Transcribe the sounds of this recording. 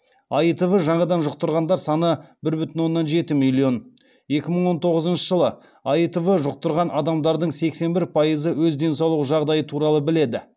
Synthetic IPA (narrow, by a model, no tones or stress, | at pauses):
ɑjt̪əvəʒɑɴɑd̪ɑnʒʊq̚t̪əɾʁɑnd̪ɑɾsɑnəbɪɾbʏt̪ɪnwo̞nːɑnʒe̞t̪ɪmilʲːio̞n | je̞kʲɪməɴwo̞nt̪ʰo̞ʁəzənʃəʒəlˠə | ɑjt̪əvəʒʊq̚t̪əɾʁɑnʔɑd̪ɑmd̪ɑɾd̪əɴse̞kse̞nbɪɾpʰɑjəzəwɵzd̪e̞nsɑwlˠəʒɑʁd̪ɑjət̪ʰuɾɑlˠəbɪle̞d̪ɪ